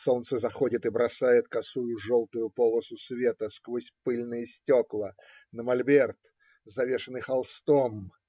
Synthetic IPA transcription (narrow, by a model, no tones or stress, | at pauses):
sont̪səzɐxodʲɪt̪ɨbɾɐsajɪt̪kɐsujʊʐolˠt̪ʊjʊpolˠəsʊsvʲe̞t̪əskvosʲpɨlʲnɨjəsʲtʲoklˠə | nəmɐlʲbʲert̪ | zɐvʲe̞ʂɨnɨxɐlˠst̪om